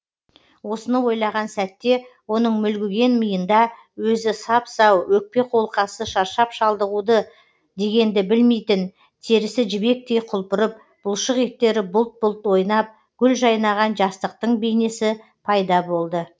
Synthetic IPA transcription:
wo̞sənəwo̞jlˠɑʁɑnsæt̪ːe̞wo̞nəɴmʏlɡʲɪɡʲe̞nməjənd̪ɑ | wɵzɪsɑpsɑwwɵk̚pe̞qo̞lˠqɑsəʃɑɾʃɑpʃɑlˠd̪əʁud̪ə | d̪e̞ɡʲe̞nd̪ɪbɪlme̞jt̪ɪn | t̪ʰe̞ɾɪsɪʒɪbe̞k̚t̪e̞jqʰʊlˠpəɾəp̚ | b̥ʊlˠʃəʁek̚t̪ːe̞ɾɪbʊlˠt̪̚bʊlˠt̪wo̞jnɑp̚ | ɡ̥ʲʏlʒɑjnɑʁɑnʒɑst̪əq̚t̪əɴbe̞jne̞sɪ | pʰɑjd̪ɑbo̞lˠd̪ə

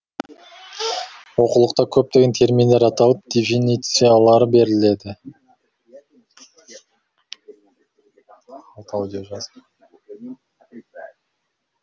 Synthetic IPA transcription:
wo̞qulˠəqt̪ɑkʲʰɵp̚t̪e̞ɡʲet̪ʰe̞ɾminleɾɑt̪ɑlˠəp̚d̪̥ʲifinʲit̪sijalˠɑɾəbe̞ɾɪle̞d̪ɪ | ɑlˠt̪ɑwd̪ʲijoʒɑz

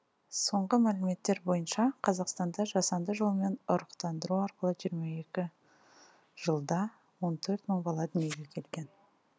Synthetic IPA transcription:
so̞ɴʁəmælɪme̞t̪ːe̞ɾbo̞jənʃɑqʰɑzɑqst̪ɑnd̪ɑʒɑsɑnd̪əʒolˠme̞nʊɾəqt̪ɑnd̪əɾuɑɾqəlˠəʒijəɾmɑe̞kʲɪ | ʒ̥əlˠd̪ɑ | wo̞nt̪ʰɵɾt̪məɴbɑlˠɑd̪ɪneɡʲekʲʰe̞lɡʲe̞n

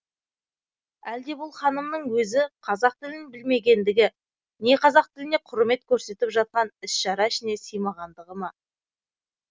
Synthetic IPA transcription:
æld̪e̞bʊlˠχɑnəmnəɴwɵzɪqʰɑzɑq̚t̪ɪlɪnbɪlme̞ɡʲe̞nd̪ɪɡʲɪ | ne̞qʰɑzɑq̚t̪ɪlɪne̞qʰʊɾme̞t̪kʲʰɵɾse̞t̪ɪpʒɑt̪̚qɑnɪsʃɑɾɑɪʃɪne̞sijmɑʁɑnd̪əʁəmɑ

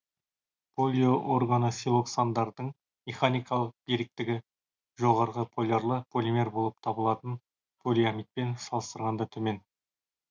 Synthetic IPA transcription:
pʰo̞lʲioʔoɾɡanəsʲilˠo̞ksand̪ɑɾd̪əɴ | meχanijkɑlˠəq̚d̪eɾɪk̚t̪ɪɡʲɪ | ʒo̞ʁɑɾʁəpʰo̞lʲerlˠəpʰolʲimʲe̞rbo̞lˠəp̚t̪ʰɑbəlˠɑt̪ən | pʰolʲijamit̪̚pe̞nsɑlˠəst̪əɾʁɑnd̪ɑt̪ʰɵme̞n

